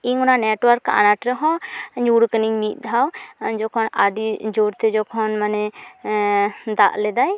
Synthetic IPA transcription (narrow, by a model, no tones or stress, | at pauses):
iŋʊnanɛʈwəɾkːaa̰naʈɾɛɦɔ̃ɲuɽkəniŋmit̪̚ˀd̪ʱawd͡ʒɔkʰɔnaɖid͡ʒoɾt̪ɛd͡ʒɔkʰɔnmanɛ | d̪a̰ʔlɛd̪aj